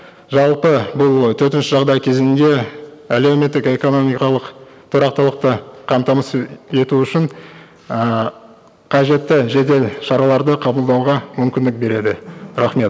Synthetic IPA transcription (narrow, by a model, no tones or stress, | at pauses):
ʒɑlˠpəbʊlˠt̪ʰɵɾt̪ɪnʃɪʒɑʁd̪ɑjkʲʰe̞zɪnd̪e̞ | æle̞wme̞t̪ːɪke̞ko̞no̞mijkɑlˠəq | t̪ʰʊɾɑqt̪əlˠəq̚t̪əqʰɑmt̪ɑməse̞t̪uʏʃɪɴ | ə | qʰɑʒe̞t̪ːɪʒe̞d̪e̞lʃɑɾɑlˠɑɾd̪əqʰɑbəlˠd̪ɑwʁɑmʏmkʲɪnd̪ɪk̚be̞ɾe̞d̪ɪɾɑχme̞t̪